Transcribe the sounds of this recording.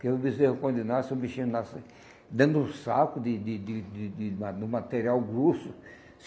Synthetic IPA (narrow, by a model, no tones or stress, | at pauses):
keewbizeʒʊkõd̪enasẽbiʃĩnnase | d̪ɐ̃nd̪ʊũsakʊd̪ɪd̪ɪd̪ɪd̪ɪd̪ɪmad̪ʊmat̪eɾiawɡɾosʊ | s